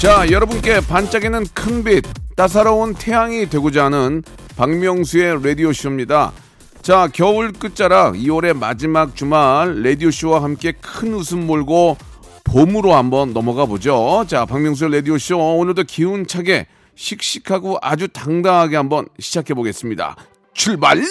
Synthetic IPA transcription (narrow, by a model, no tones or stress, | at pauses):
t͡ɕajʌɾʌbunk͈e̞pant͡ɕ͈aɡenɯnkʰɯnbit̚t͈as̬ʰaɾauntʰe̞jaŋidwe̞ɡod͡ʑanɯn | paŋmjʌŋsʰue̞ɾe̞dioɕʰɯmɲida̰ | t͡ɕakjʌuɭk͈ɯt̚t͡ɕ͈aɾaiwʌɾe̞ma̰d͡ʑimak̚t͡ɕumaɭːe̞dioɕ͈ʰiwahamk͈e̞kʰɯnɯsʰɯnmoɭɡo | pomɯɾohambʌnːʌmʌɡabod͡ʑot͡ɕapaŋmjʌŋs̬ʰueɾe̞d̪ioɕʰonɯɭdokiunt͡ɕʰaɡe̞ | ɕʰik̚ɕ͈ikʰaɡoʔad͡ʑutaŋdaŋɦaɡeɦambʌnɕʰid͡ʑakʰe̞boɡe̞s͈ɯmɲida̰ | t͡ɕʰuɭbaɭ